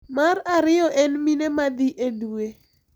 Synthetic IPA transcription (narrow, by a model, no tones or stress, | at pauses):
maraɾɪjɔʔɛnminemad̪ɪʔedue